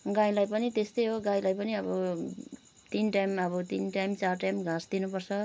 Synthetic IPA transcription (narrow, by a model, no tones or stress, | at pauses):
ɡãjlajpʌnit̪est̪ʌjɦoɡajlajpʌniʌbʌ | t̪inʈajmʌbʌt̪inʈajmt͡sarʈajmɡʱãsd̪inupʌrt͡sʰʌ